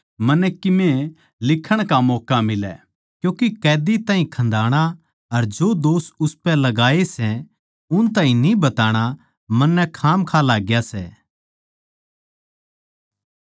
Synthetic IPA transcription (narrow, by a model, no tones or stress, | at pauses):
mɐnɛkɪmẽ | lɪkʰəɽ̃kamɔːkamɪlɛ̰ː | kjõːkekɛːd̪it̪ãːɦĩkʰɐ̃nd̪ʱaːɽ̃a | ɐɾd͡ʒoːd̪oːsʊspɛ̃lɐɡaːesɛ | ʊnt̪̬ãːĩnĩbɐt̪aːɽ̃a | mɐnːɛkʰaːmkʰalaːɡjasɛ̰ː